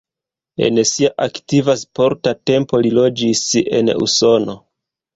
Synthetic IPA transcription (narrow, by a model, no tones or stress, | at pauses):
e̞̰nsiaʔaktivaspo̞ɾtate̞mpo̞lilo̞d͡ʒise̞̰nṵso̞no̞